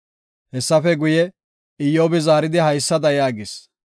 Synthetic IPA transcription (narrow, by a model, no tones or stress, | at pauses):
hɛsːɐfɛɡʊjɛ | ɪjːoːbɪzaːɾɪd̪ɪhɐjsːɐd̪ɐjaːɡɪs